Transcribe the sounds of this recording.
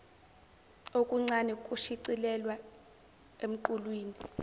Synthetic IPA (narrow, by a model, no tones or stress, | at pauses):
okʼuŋ͡ǀanɛkʼuʃiǀilɛlwa | em̩ǃulwiːni